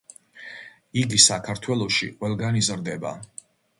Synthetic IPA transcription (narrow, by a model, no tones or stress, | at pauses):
iɡisakʰaɾt̪ʰwɛlˠɔʃḭqʼwɛlˠɡanizɾd̪ɛba̰